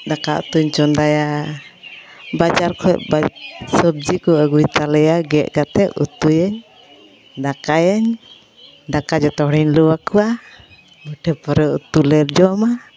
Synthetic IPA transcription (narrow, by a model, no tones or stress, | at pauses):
d̪akaʔṵt̪uɲt͡ʃɔnd̪aja | bad͡ʒaɾkʰɔɛ̰ʔbasəb̚d͡ʒikɔəɡujt̪alɛjaɡɛʔɡat̪ɛʔṵt̪ujəɲ | d̪akajaɲ | d̪akad͡ʒɔt̪ɔɽiɲluwakuwa | muʈʰɛpɔɾɛʔt̪ulɛɾd͡ʒɔma